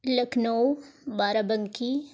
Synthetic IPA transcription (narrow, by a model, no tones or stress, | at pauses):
ləknowbaːɾabəŋki